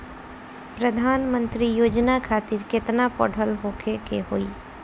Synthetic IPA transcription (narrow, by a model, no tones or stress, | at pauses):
pɾəd̪ʱaːnmə̃nt̪ɾijoːd͡ʒnakʰaːt̪ɪɾkɪt̪napɔ̰ːɽʱəlɦoːkʰekeɦoːiː